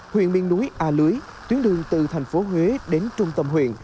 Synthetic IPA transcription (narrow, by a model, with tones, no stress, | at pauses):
hwḭ˧˨ənɓi˧˨ŋnu˨˦jʔaː˧lɨ˨˦əj | t̪wi˨˦ənɗɨ˨˩əŋt̪ɨ̰˧˨t̪ʰa˨˩jŋ̟fo˨˦ɦwe˨˦ɗe˨˦nt͡ɕʊ˧ŋ͡mt̪ə˧mhɦwḭ˧˨ən